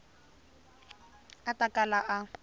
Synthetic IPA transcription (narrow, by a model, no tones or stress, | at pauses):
atakʼalaʔa